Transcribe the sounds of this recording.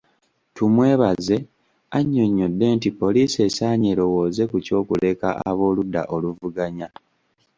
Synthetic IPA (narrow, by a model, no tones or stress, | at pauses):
tumwe̞ːβaze̞ | aɲːo̞ɲːo̞dːe̞ːntipːo̞liːse̞saːɲeɾo̞wo̞ːze̞kuco̞ːkule̞ka̰ʔa̰βo̞ːludːa̰ʔo̞luvuɡaɲa